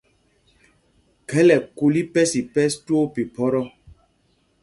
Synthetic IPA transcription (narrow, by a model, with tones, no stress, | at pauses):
kɛ˦lɛ˨ku˨li˦pɛ˦si˨pɛ˦stwo˦pi˨pɔ˦ɾɔ˦